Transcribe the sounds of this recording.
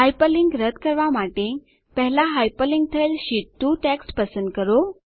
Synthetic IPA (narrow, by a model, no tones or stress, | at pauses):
ɦajpəliŋɡɾət̪kəɾʋamaʈe | pəɦlaɦajpəliŋɡ̚t̪ʰəjlɕit̪ːuʈɛksʈpəsənd̪̚kəɾo